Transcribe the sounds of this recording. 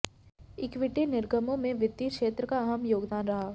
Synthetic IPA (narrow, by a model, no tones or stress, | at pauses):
ɪkʋɪʈinɪɾɡəmõmẽʋɪt̪ːiːkʃeːt̪ɾəkaɐɦəmjoːɡd̪aːnɾɐɦaː